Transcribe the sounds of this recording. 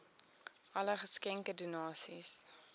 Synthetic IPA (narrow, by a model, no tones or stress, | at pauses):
ʔɐləχəskɛŋkədunɑːsis